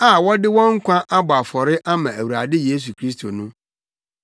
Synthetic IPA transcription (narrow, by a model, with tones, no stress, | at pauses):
a˨wɔ˦dɪ˦wɔ̃˦ŋ̩˦kʷʰã˦ʔa˦bʊ˨a˨fɔ˨ɾɪ˦ʔa˦mã˨æ˨wu˨a˨dɪ˦je˦s̬u˨kʰɾi˦s̬tʰo˨nʊ̃˦